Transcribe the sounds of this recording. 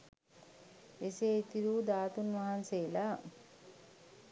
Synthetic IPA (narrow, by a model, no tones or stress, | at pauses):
eseit̪iɾuːd̪aːt̪unʋaɦanseːla